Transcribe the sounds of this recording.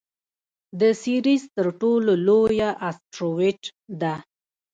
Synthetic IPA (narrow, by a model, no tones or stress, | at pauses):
d̪əsiɾizt̪əɾʈololojaʔasʈɾowɪt͡ʃd̪a